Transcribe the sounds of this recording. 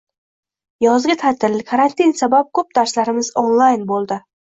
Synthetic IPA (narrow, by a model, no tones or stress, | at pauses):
jɒzɡʲat̪ʰat̪ʰɪlkʰaɾant̪ʰinsabap̚kʰɵp̚d̪aɾslaɾɪmɪzonlˠajnbolˠd̪ɪ